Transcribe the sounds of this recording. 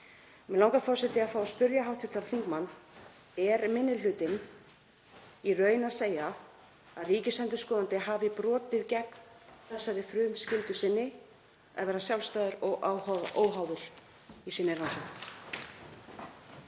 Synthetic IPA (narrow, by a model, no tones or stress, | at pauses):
mɛðlawŋkafɔɾsɛt̪ɪaðfaːwaspʏɾjaɦawht̪ʰɪt̪aɾθiŋkmanː | ɛɾmɪnːɪlʏːt̪ɪn | irœːɥnaðseːja | a̰ðriːcɪsɛnt̪̬ʏskɔːðant̪ɪɦaːvɪipɾɔːt̪ɪðcɛk̚nθɛsːaɾɪfɾʏːmscɪlt̪ʏsɪnːɪ | a̰ðvɛːɾasjawlst̪aːðʏɾɔɣʔawaʔoːwɦawðʏɾ̥ | isɪnːɪɾransɛn